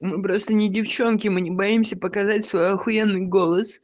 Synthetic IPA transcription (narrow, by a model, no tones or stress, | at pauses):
mɨpɾo̞st̪ənʲɪdʲɪft͡ɕo̞nkʲɪmɨnʲɪbɐimsʲəpəkɐzatʲsvojɐxʊenːɨjɡo̞lˠəs